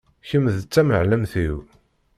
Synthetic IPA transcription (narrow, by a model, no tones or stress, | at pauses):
çəmðət͡sːæmə̰ʕləmθiw